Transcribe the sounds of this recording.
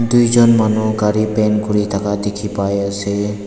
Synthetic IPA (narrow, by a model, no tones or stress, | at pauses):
d̪uid͡ʒɔnmanokaɾipeːnkʊɾit̪ʰɐkad̪ɪkʰipaːjese